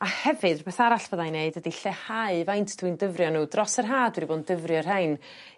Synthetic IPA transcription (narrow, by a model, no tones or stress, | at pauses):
ahɛvɨdbeːθaɾaɬv̥oːðajneɨdədiɬɛhaɨvajntʰd̥windəvrjɔnuːdrɔsərɦaːdwɛdiboːndəvrjɔrhɛɨn